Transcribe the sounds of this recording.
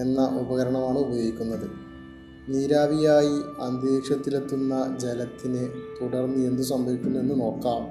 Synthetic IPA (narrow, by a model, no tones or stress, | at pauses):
e̞nːɐʔubɐɣɐɾɐɳɐmaːɳɨubɐjoːɡikʲːunːɐðɨ | niːɾaːbijaːjiɐnd̪eːkʂɐt̪ːilet̪ːunːɐd͡ʑelɐt̪ːinɨt̪uɽɐrnːɨe̞nd̪us̬ɐmbʱɐʋikʲːunːenːuno̞ːkːaːm